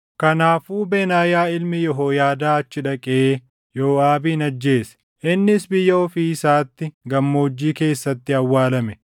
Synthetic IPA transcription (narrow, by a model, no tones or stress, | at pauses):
kɐnaːfuːbeːnaːjaːɪlmɪjɔɦo̞ːjaːd̪aːɐt͡ʃːɪᶑɐkʼɛeː | joːaːbiːnɐd͡ʒːe̞ːsɛ̥ | ʔɪnːɪsbɪjːɐɔfiːɪsaːt̪ːɪɡɐmːo̞ːd͡ʒːiːke̞ːsːɐt̪ːɪɐwːaːlɐmɛ